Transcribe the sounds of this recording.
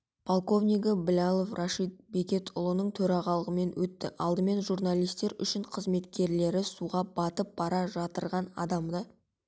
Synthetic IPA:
pʰolˠko̞vnʲijɡəbɪlʲalˠofrʔaʃit̪̚be̞kʲe̞t̪ʰʊ̰lˠənəɴt̪ʰɵɾɑʁɑlˠəʁəme̞nwɵt̪ːɪ̰ʔɑlˠd̪əme̞nʒurnalʲˠijst̪e̞ɾʏ̰ʃɪɴqʰəzme̞t̪kʲe̞ɾle̞ɾɪsuʁɑb̥ɑt̪əp̚b̥ɑɾɑʒɑt̪əɾʁɑnɑ̰d̪ɑmd̪ə

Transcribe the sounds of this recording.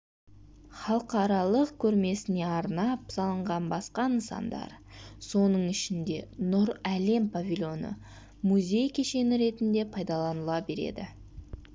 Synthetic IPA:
χɑlˠəqɑɾɑlˠəqkʲʰɵɾme̞sɪne̞ɑɾnɑpsɑlˠəɴʁɑnbɑsqɑənsɑ̰nd̪ɑ̰ɾ | so̞nəɴɪʃɪnd̪e̞nʊɾæle̞mpavʲilʲjo̞nə̰ | muzʲe̞jkʲʰe̞ʃe̞nɪɾe̞t̪ɪnd̪e̞pʰɑjd̪ɑlˠɑnəlˠɑbe̞ɾe̞̰d̪ɪ

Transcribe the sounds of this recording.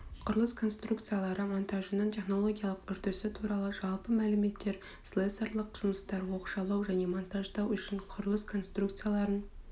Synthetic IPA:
qʰʊɾəlˠəskʰo̞nst̪ruk̚t̪sɨjalˠɑɾəmont̪ʰaʒənəɴt̪ʰe̞χno̞lˠo̞ɡʲijalˠəqʏɾt̪ɪsɪt̪ʰuɾɑlˠəʒɑlˠpəmælɪme̞t̪ːe̞ɾ | slˠeseɾlˠəqʒ̥ʊməst̪ɑɾwo̞qʃɑlˠɑwʒæne̞mont̪aʒd̪ɑwʏʃɪɴqʰʊɾəlˠəskʰo̞nst̪rukt̪sɨjalˠɑɾən

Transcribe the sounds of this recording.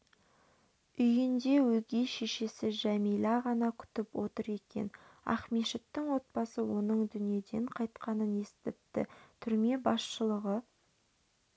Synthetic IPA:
ʏjɪnd̪e̞wɵɡʲe̞jʃe̞ʃe̞sɪʒæmijlˠɑʁɑnɑkʲʰʏ̥t̪ɪpwo̞t̪əɾe̞kʲe̞̰nɑ̰χmeʃɪt̪ːɪŋwo̞t̪̚bɑsəwo̞nəɴd̪ʏnije̞d̪e̞ɴqʰɑjt̪qɑnəne̞st̪ɪp̚t̪ːɪ̰t̪ʰʏɾme̞bɑsʃəlˠəʁə

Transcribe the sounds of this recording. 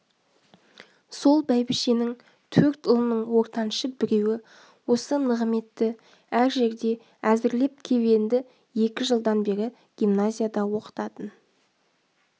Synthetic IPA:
so̞lˠbæjbɪʃenɪŋ | t̪ʰɵɾt̪ʊlˠnəɴwo̞ɾt̪ɑnʃəbɪɾe̞wɪ | wo̞sənəʁəme̞t̪ːɪ | æɾʒe̞ɾd̪e̞ | æzɪɾle̞p̚kʲʰe̞βe̞nd̪ɪ | je̞kʲɪʒəlˠd̪ɑnbe̞ɾɪ | ɡ̥ʲimnazʲijad̪ɑwo̞qə̥t̪ɑt̪ən

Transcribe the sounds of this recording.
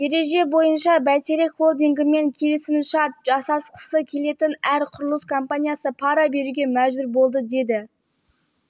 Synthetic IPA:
d̪e̞ɾe̞ʒe̞bo̞jənʃɑbæt̪eɾekχo̞lˠd̪iŋɡʲɪme̞ŋkʲʰe̞lɪsɪmʃɑɾt̪̚ʒɑsɑsqə̥səkʲʰe̞le̞t̪ɪnæɾqʰʊɾlˠəskʰompanʲijasəpʰɑɾɑbe̞ɾuɡʲe̞mæʒbʏɾbo̞lˠd̪əd̪e̞d̪ɪ

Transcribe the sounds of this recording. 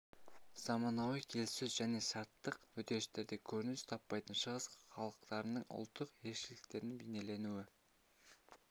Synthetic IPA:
z̥ɑmɑnɑwikʲʰelsɵzʒæne̞ʃɑɾt̪ːəqwɵt̪e̞ɪʃt̪e̞ɾd̪ekʲʰɵɾɪnɪst̪ʰɑpːɑjt̪ənʃəʁəsχɑlˠəqt̪ɑɾənəɴʔʊ̰lˠt̪ːəqe̞ɾʃɪlɪ̥k̚t̪e̞ɾɪnbejne̞le̞nuɪ

